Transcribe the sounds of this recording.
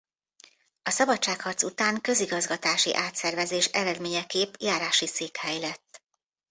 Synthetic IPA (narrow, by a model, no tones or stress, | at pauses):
ɒsɒbɒt͡ʃːaːkhɒrt̪sut̪aːŋkø̞ziɡɒzɡɒt̪aːʃḭʔaːt̪sɛrvɛzeːʃɛɾɛd̪meːɲɛkeːpjaːɾaːʃiseːkhɛjlɛt̪ː